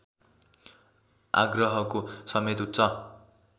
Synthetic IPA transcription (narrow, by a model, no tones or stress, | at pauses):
a̰ɡrʌɦʌkosʌmet̪ut̪ːt͡sʰʌ